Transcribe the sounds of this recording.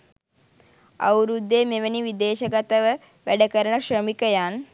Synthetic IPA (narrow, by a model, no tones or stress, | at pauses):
a̰wɾud̪ːeːmeʋəniʋid̪eːʃəɡat̪əʋə | ʋæɖəkəɾəɳəʃrəmikəjan